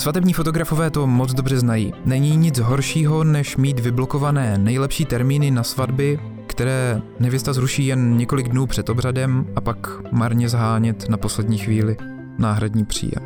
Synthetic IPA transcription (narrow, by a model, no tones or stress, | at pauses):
svat̪ɛbɲiːfo̞t̪oɡɾafo̞vɛːt̪o̞mot͡sd̪o̞br̝ɛznajḭːnɛɲiːɲɪd͡zɦo̞ɾʃiːɦo̞nɛʃmiːt̪vɪblo̞ko̞vanɛːnɛjlɛpʃiːt̪ɛɾmiːnɪnasvadbɪ | kt̪ɛɾɛː | nɛvjɪst̪azɾuʃiːjɛnɲɛko̞lɪɡdnuːpr̝̥ɛt̪o̞bradɛmʔapak | maɾɲɛzɦaːɲɛt̪napo̞slɛdɲiːxviːlɪ | naːɦɾadɲiːpr̝̥ḭːjɛ̰m